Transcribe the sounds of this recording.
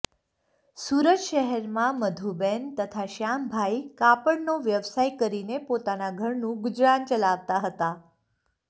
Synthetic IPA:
suːɾəd͡ʒʃəɦɛɾmãməd̪ʱubent̪ət̪ʰaʃambʱaikapəɳnoʋjəʋsajkəɾinepot̪anaɡʱəɾnũɡʊd͡ʒɾant͡ʃəlaʋt̪aɦət̪a

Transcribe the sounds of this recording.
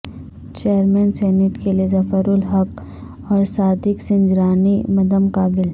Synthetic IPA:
t͡ʃeːəɾmɛːnsɛːnɪʈkeliezɐfəɾʊlɦɐk | ɔːɾsaːd̪ɪksɪ̃nd͡ʒɾaːnimɐd̪əmkaːbɪl

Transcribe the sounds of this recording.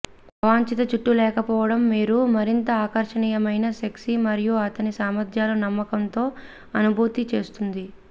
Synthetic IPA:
ɐʋaːɲt͡ʃit̪ɐt͡ʃuʈːulɛːkɐpɔːʋɐɽɐmːiːɾumɐɾint̪ɐaːkɐɾʂɐɳiːjɐmɐjnɐseksimɐɾijuɐt̪ɐnisaːmɐɾd̪ʰʱjaːlɐnɐmːɐkɐnt̪o̞ː | ɐnubʱuːt̪it͡ʃe̞ːst̪und̪i

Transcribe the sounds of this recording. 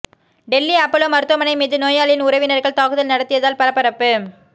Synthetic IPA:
ɖɛlːiɐpːɐlomɐɾɯt̪ːɐmɐnɐɪmeːðɯnoːjaːlɪnʊɾɐʋɪnɐɾɣɐɭt̪aːɣɯðɐlnɐɽɐt̪ːɪjɐðaːlpɐɾɐpːɐɾɐpːɯ

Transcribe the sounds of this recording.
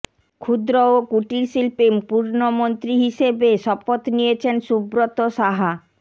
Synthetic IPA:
kʰud̪ɾookuʈiɾʃilpimpuɾnomont̪ɾiɦiʃebeʃɔpot̪nijet͡ɕʰenʃubɾot̪oʃaɦa

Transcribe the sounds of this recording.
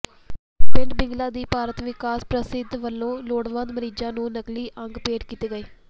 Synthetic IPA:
pɪ̃ɳɖbɪ̃ŋɡlãːd̪iːpaːɾət̪ʋɪkaːspɾəsɪd̪ʋəlːõːloːɽʋãːd̪məɾiːd͡ʒãːnũːnəkliːʔəŋɡpeːɖkiːt̪eːɡəeː

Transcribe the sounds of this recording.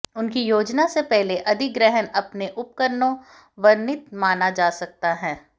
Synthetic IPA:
ʊnkijoːd͡ʒnasepɛɦleʔɐd̪ʱɪk̚ɡɾɛɦənɐpneʔʊp̚kəɾnõ | ʋɐɾnɪt̪maːnad͡ʒaːsɐk̚t̪aɦɛ̃ː

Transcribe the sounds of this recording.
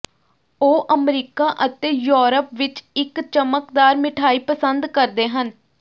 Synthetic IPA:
oːʔəmɾiːkaːʔət̪eːjoːɾəpʋɪt͡ʃɪkt͡ʃəməkd̪aːɾmɪʈʰaːiːpəsənd̪kəɾd̪eːɦən

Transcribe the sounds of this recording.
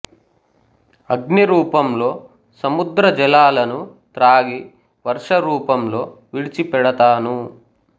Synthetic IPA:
ɐɡniɾuːpɐmlo̞ː | sɐmud̪ɾɐd͡ʒɛlaːlɐnut̪ɾaːɡi | ʋɐɾʂɐɾuːpɐmlo̞ː | ʋiɽit͡ʃipɛɽɐt̪aːnu

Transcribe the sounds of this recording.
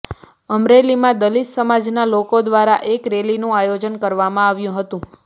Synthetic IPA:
əmɾelimãd̪əlissəmad͡ʒnalokod̪ʋaɾa̰ʔekɾelinũajod͡ʒənkəɾʋamãaʋjũɦət̪ũ

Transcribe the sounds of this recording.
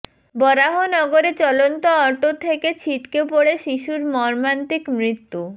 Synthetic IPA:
bɔɾaɦonɔɡoɾet͡ɕɔlont̪oɔɾʈot̪ʰeket͡ɕʰiʈkepoɽeʃiʃuɾmɔɾmant̪ikmɾit̪ːu

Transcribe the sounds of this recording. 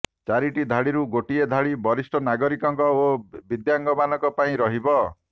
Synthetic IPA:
t͡ʃaɾiʈid̪ʱaɽiɾuɡoʈied̪ʱaɽibɔɾisʈʰɔnaɡɔɾikɔŋkɔobid̪jaŋɡɔmanɔkɔpaĩɾɔɦibɔ

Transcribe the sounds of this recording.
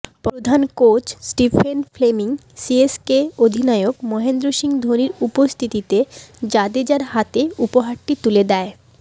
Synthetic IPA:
pɾod̪ʱankot͡ɕsʈifʰenfʰlemiŋsieskeod̪ʱinaeokmɔɦend̪ɾoʃiŋd̪ʱoniɾupost̪ʰit̪it̪ed͡ʑad̪ed͡ʑaɾhat̪eupoɦaɾʈit̪uled̪ɛe

